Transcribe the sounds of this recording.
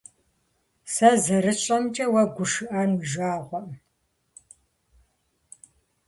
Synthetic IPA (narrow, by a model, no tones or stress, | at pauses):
sɐzɐɾɨɕʼɐmt͡ʃʼɐwɐɡʷʊʂɨʔɐnwʒaːʁʷɔʔ